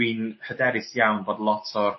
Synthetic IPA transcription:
inhədɛɾɪsjawnboːdlˠɔtʰɔ

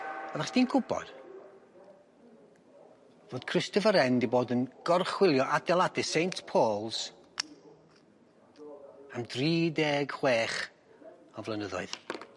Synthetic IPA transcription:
avaχd̥iːnɡʊbɔ̰d̥ | voːd̥kʰrɪstɔvəɾɛndiboːdənɡ̥ɔrχwɪlˠjɔʔadɛlˠadɨsejntʰpʰoːlˠz̥ | amdriːdeːɡ̥χweːχ | ɔvlˠənəðɔ̰ɨð̥

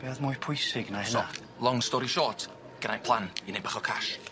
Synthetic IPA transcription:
b̥eːðmʊjpʰʊjsɪɡnaɪsnɔa | lˠɔŋstɔɾiʃɔːtʰ | ɡ̥ənajpʰlˠaninejbaχɔkʰa̰ʃ

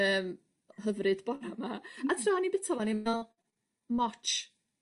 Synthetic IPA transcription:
əːm | həvrɨd̥bɔɾamaatʰraɔnibɪtʰavaniɛlˠ | mɔt͡ʃ

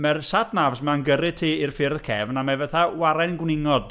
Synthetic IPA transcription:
mɛrsatʰnavsmanɡəɾɨtʰiːirfɪrðəkʰɛvnamɛvəθawaɾɛnɡwnɪŋɔd̥

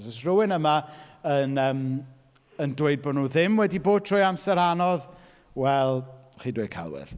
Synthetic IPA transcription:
sɔsrʊwɪnəmaənəːm | əndweɨd̚bɔnuːðɪmwɛdiboːd̥̚tʰr̥ɔːjamsɛɾanɔð | wɛlˠχiːdwed̥̚kʰa̰lˠwɛ̰ð̥

